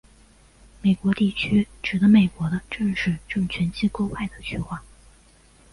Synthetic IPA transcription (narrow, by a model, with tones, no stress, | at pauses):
me˨˩ɪkwɔ˧˥t̪i˥˩t͡ɕʰy˥ʈ͡ʂɻ̩˨˩d̪ə˧˦me˨˩ɪkwɔ˧˥d̪ə˧ʈ͡ʂɤ˥˧ŋʂɻ̩˥˧ʈ͡ʂɤ˥˩ŋt͡ɕʰɥɛ˧˥nt͡ɕʰi˥ko˥ʊwa˥˩ɪd̪ə˩ɕʰɛ˥˧xwa˥˩